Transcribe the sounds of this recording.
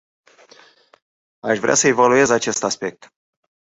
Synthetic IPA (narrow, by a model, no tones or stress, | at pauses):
aʃvɾeasəe̞value̞zat͡ʃe̞st̪aspe̞k̚t̪